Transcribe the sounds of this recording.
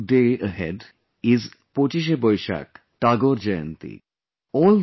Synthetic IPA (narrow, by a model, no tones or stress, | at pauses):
ɖeəɦɛ̰ɖ | izpot͡ɕiʃ̬ebɔjʃa̰k | ʈaɡoɾd͡ʑajant̪ḭ | ɔl